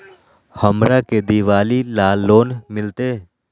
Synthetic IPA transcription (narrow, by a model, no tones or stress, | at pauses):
həmɾaked̪iʋaːlilaːlːoːnmɪlt̪eː